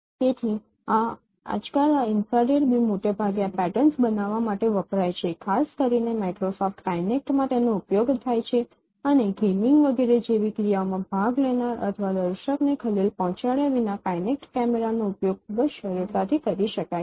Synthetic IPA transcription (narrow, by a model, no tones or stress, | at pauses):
t̪et̪ʰi | ã | a̰d͡ʒkalaɪnfɾaɾeɾbimoʈebʱaɡeapɛʈənsbənaʋamaʈeʋəpɾajt͡ʃʰekʰaskəɾinemajkɾosɔfʈkajnek̚ʈmãt̪enoupjoɡt̪ʰajt͡ʃʰe | əneɡemɪŋɡʋəɡeɾed͡ʒeʋikɾijaomãbʱaɡlenaɾə̰t̪ʰəʋad̪əɾʃəknekʰəlilpɔ̃ɦt͡ʃaɭjaʋinakajnek̚ʈkɛmeɾanoʊpjoɡ̚kʰubəd͡ʒʃəɾiɾt̪at̪ʰikəɾiʃəka